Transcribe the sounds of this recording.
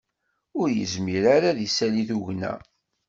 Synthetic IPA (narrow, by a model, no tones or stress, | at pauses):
ʊɾjə̰zmiɾaɾaðisæliθuʝnæ̰